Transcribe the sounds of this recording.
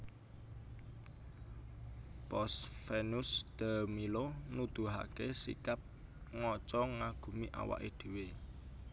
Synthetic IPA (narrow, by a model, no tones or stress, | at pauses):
pɔsfenusd̪̥amilonud̪̥ṳɦa̰kesḭkap̚ | ŋɔt͡ʃɔŋaɡ̥ṳmiʔa̰wa̰ʔeɖ̪̥e̤we